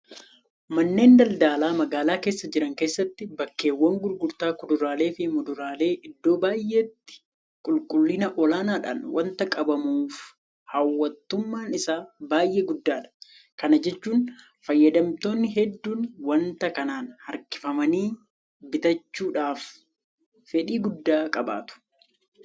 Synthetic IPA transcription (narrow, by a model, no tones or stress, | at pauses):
mɐnːe̞ːnd̪ɐld̪aːlaːmɐɡaːlaːke̞ːsːɐd͡ʒɪɾɐŋke̞ːsːɐt̪ːɪbɐkːe̞ːwːɐŋɡʊɾɡʊɾt̪aːkʊd̪ʊɾaːle̞ːfɪmʊd̪ʊɾaːle̞ːʔɪd̪ːo̞ːbaːjʔeːt̪ːɪ̥ | kʼʊlkʼʊlːɪnɐʔɔlaːnaːᶑa̰ːnwʔɐnt̪ɐkʼɐbɐmuːf | hɐwːɐt̪ːʊmːaːnɪsaːbaːjʔeːɡʊd̪ːaːᶑɐ̥ | kɐnɐd͡ʒɛt͡ʃːuːn | fɐjːɐd̪ɐmt̪o̞ːnːɪɦɛd̪ːuːnwɐnt̪ɐkɐnaːnhɐ̰ɾkɪ̥fɐmɐniː | bɪt̪ɐt͡ʃːuːᶑaːf | fɛᶑiːɡʊd̪ːaːkʼɐba̰ːt̪ʊ̥